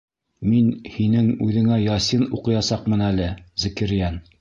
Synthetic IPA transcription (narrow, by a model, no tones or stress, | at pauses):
minhinɘŋʉðɘ̆ŋæjɑsɤnuqɤ̆jɑsɑqmɤ̆nælɘzɘ̆kɘ̆ɾjæn